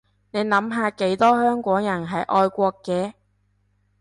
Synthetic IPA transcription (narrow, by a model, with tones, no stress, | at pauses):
ne˨˧jnɐ˨˥mɦaː˧ke˨˥jt̪ɔː˥hœː˥ŋkʷɔː˨˥ŋjɐ˨˩nɦɐ˨jʔɔː˧jkʷɔː˧kːɛː˧